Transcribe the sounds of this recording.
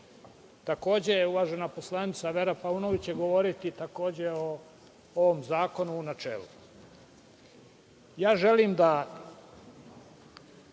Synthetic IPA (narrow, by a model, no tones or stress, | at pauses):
t̪ako̞ːd͡ʑejeuʋaːʒe̞napo̞slˠanit̪saʋeɾapaunoʋit͡ɕeɡo̞ʋo̞ɾit̪it̪ako̞ːd͡ʑeo | oʋomzaːko̞nuːnat͡ʃḛːlṵ | jaːʒe̞liːmd̪a